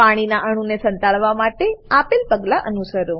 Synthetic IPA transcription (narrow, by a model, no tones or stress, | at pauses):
paɽ̃inaʔəɽ̃ũnesə̃nt̪alʋamaʈeapelpəɡlaʔənusəɾõ